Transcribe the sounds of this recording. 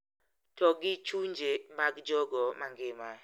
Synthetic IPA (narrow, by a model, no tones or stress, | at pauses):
tɔɡit͡ʃuɲd͡ʒemaɡd͡ʒɔɡɔmaŋɡɪma